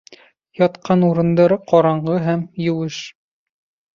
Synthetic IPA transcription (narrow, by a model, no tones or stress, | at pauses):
jɒt̪qʰɑnuɾɤ̆nd̪ɑɾɤqʰɒɾɑɴɢɤɦæmjɘ̆wɘʃ